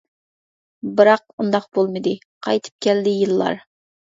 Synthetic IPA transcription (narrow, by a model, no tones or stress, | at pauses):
bɨɾɑq̚und̪ɑqbolˠmɨd̪ɨ | qʰɑjt̪ʰɨ̥p̚kʲɛld̪ɪjɨlˠːɑ̰ɾ